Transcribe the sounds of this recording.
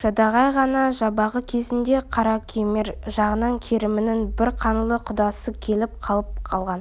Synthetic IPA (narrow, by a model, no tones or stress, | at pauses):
ʒ̥ɑd̪ɑʁɑjʁɑnɑʒɑbɑʁəkʲʰe̞zɪnd̪e̞qʰɑɾɑkʲʰemeɾʒɑʁənɑɴkʲʰeɾɪmɪnɪŋbɪɾqʰɑnlˠəqʰʊd̪ɑsəkʲʰe̞lɪp̚qʰɑlˠəp̚qʰɑlˠʁɑn